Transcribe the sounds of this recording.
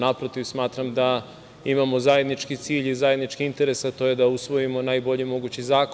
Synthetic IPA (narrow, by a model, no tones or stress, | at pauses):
napɾo̞t̪iʋsmaːt̪ɾamd̪a | imamo̞zaje̞d̪nit͡ʃkit̪siːʎizaje̞d̪nit͡ʃkiint̪e̞ɾesat̪ojed̪ausʋo̞jimo̞najbo̞ʎimo̞ɡuːt͡ɕizaːk